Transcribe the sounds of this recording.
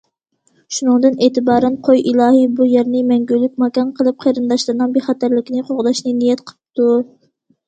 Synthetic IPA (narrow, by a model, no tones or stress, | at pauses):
ʃunɨŋd̪ɨneːt̪ɨbɑːɾɛnqʰojʔilˠɑːɦibujæɾnɪmɛŋɡʲylːyk̚ʲmɑkʲɑnqʰəlˠɨp̚qʰeɾɨnd̪ɑʃlˠɨɾnɨŋbeχɑt̪æɾlɪkʲinɪqʰoʁd̪ɑʃnɨnijɛt̪qʰə̥lp̚t̪ʰu